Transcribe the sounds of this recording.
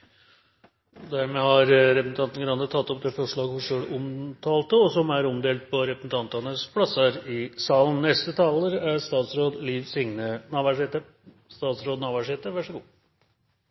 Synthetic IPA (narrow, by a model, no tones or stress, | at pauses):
d̪æɾmeːhɑɾɾɛpɾsn̩t̪ɑnt̪n̩ɡɾɑnət̪ʰɑt̪ːɔp̚d̪ɛːfɔʂɭɑːɡfɔʂøːɽʊmt̪ʰɑːlt̪əɔsɔmæɾɔmd̪eːlt̪̚pʰɔɾɛpɾəsn̩t̪ʰɑnt̪ɑnəspʰɽɑsəɾɪsɑːlənːɛst̪ət̪ʰɑləɾæst̪ɑːt̪sɾoːd̪liːʋsɪŋnənɑːʋæʂet̪ə | st̪ɑːt̪sɾoːd̪nɑːʋæʂeːt̪əʋæʂəɡuː